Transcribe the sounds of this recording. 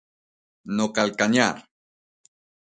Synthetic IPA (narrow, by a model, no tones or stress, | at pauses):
nokalkaɲaɾ